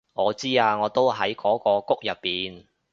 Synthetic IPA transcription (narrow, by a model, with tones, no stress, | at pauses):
ŋɔː˨˧t͡siː˥aː˧ŋɔː˨˧t̪o˥wɦɐ˨˥jkʰɔː˨˥kɔː˧kʊ˥k̚jɐ˨pːiː˨n